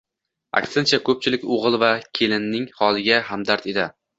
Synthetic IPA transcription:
a̰kʲsɪnt͡ʃʰakʰɵp̚t͡ʃʰɪlɪkʲoʁɨlˠvakʲʰe̞lɪnːɪŋhɒlˠɪɡʲahamd̪aɾt̪e̞d̪ɪ

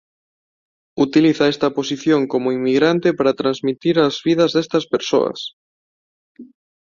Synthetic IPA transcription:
ut̪iliθaɛst̪ɐposiθjoŋkomoimːiɣɾant̪epaɾɐt̪ɾanzmit̪iɾɐzβiðɐzðest̪ɐspeɾso̰ɐ̰s

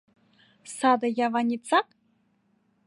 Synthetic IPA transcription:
sad̪ajavanʲit͡sʰakʼ

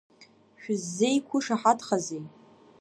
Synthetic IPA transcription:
ʃᶣʊzːe̞jkʷʰʊʂaħatʰχazej

